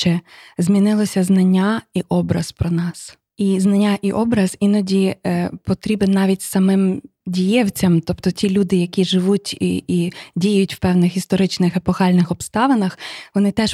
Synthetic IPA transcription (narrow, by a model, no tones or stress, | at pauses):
t͡ʃɛzmʲinɪlˠɔsʲɐznɐnʲːaiʔɔbɾɐzpɾɔnɑs | iznɐnʲːaʔiʔɔbɾɐz̥inɔdʲipɔt̪ɾʲibɪnːɑʋʲit̚ʲsɐmɪmdʲijɛwt͡sʲɐmt̪ɔpt̪ɔtʲilʲud̪ɪjɐkʲiʒɪʋutʲidʲijjʊtʲwpɛwnɪxist̪ɔɾɪt͡ʃnɪxɛpɔxɑlʲnɪxɔbst̪ɑʋɐnɐxʋɔnɪt̪ɛʃ